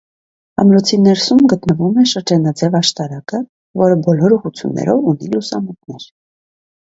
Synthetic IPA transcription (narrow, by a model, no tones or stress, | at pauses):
ɑ̰mɾɔt͡sʰinɛɾsumɡət̪nəvumɛʃəɾd͡ʒɑnɑd͡zɛvɑʃt̪ɑɾɑkə | vɔɾəbɔlɔɾuʁut͡sʰjṵnːɛ̰ɾɔvunilusɑ̰mut̪̚nɛɾ